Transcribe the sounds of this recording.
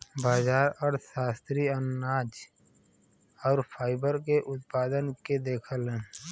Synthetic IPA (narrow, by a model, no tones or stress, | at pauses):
baːzaːɾɔːɾsaːst̪ɾiənːaːd͡ʒ | ɔːɾfʰaːɪbəɾkeʔʊt̪̚paːd̪ənked̪eːkʰəlɦɛ̃